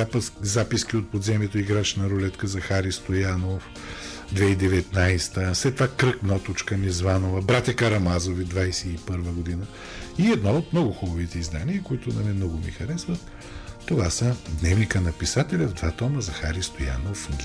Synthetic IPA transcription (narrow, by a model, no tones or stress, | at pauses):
apzapisk̟ʲiot̪̚pod̪zɛmiɛt̪oiɡɾat͡ʃnɐɾolɛt̪kəzɐxaɾist̪ojanof | d̪vɛid̪ɛvɛt̪najst̪əslɛt̪vakɾɤknɔt̪ot͡ʃkənizvanovɐbɾat̪ʲɐkɐɾɐmazovid̪vajsɛipɤɾvəɡod̪inə | iɛd̪nɔot̪mnɔɡʊxubɐvit̪ɛizd̪aniəkoit̪ʊnɐmɛmnɔɡʊmḭxɐɾɛsvət̪ː | ovasəd̪nɛvnikənɐpisat̪ɛlʲɐvd̪vat̪ɔməzɐxaɾist̪oja̰nof